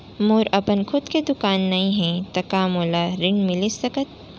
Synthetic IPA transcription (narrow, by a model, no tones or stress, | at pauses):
moːɾɐpənkʰʊd̪ked̪ʊkaːnːɐɦĩɦɛ̃t̪ɐkaːmoːlaɾɪ̃ɳɖmɪlisɐkət̪̚